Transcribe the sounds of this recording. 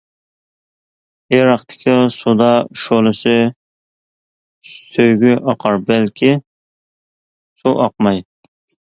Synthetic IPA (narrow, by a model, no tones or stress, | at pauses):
eɾɑχt̪ʰɪ̥kʲʰisud̪ɑʃolˠɨsɪ | søjɡʲyʔɑqʰɑɾbælkʲʰɪ | suʔɑq̚mɑj